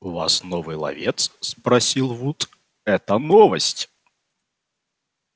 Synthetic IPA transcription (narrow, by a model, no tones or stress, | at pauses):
ʊva̰snɔvɨjlˠɐ̰vʲet̪sspɾɐsʲilˠvut̪ | ɛt̪ənɔvəsʲtʲ